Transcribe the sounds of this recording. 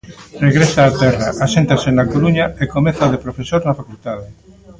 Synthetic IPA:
reɣɾesaːt̪ɛraʔasent̪asenakoɾuɲaekomeθaðepɾofesoɾnafakult̪aðe

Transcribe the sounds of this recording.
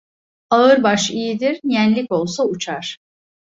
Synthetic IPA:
aɯɾbaʃijid̪iɾjænlʲiko̞lˠsaut͡ʃʰaɾ̥

